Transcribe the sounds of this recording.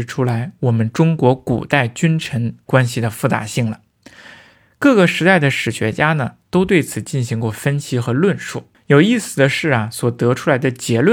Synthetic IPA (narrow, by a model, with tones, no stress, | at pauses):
ɻʈ͡ʂʰu˥la˧˥ɪwɔ˨˩mə˦nʈ͡ʂʊ˥ŋkwɔ˧˥kṵ˨˩t̪a˥˩ɪt͡ɕy˥nʈ͡ʂʰə˧˥nkwa˥nɕi˨˩d̪ə˩fu˥˩t͡sa̰˧˥ɕi˥˩ŋlə˩ | kɤ˥˩ɡə˩ʂɻ̩˧˥t̪a˥˩ɪd̪ə˩ʂɻ̩˨˩ɕɥɛ˧˥t͡ɕja˥nə˨t̪o˥ʊt̪we˥˩ɪt͡sʰɹ̩˨˩t͡ɕi˥˩nɕi˧˥ŋkwɔ˥˩fə˥nɕʰi˥xɤ˧˥lwə˥˧nʂu˥˩ | jo˨˩ʊi˥˩sɹ̩˨˩d̪ə˦ʂɻ̩˥˩ɐ˩swɔ˨˩t̪ɤ˧˥ʈ͡ʂʰu˥la˧˥ɪd̪ə˧t͡ɕjɛ˧˥lwə˥˧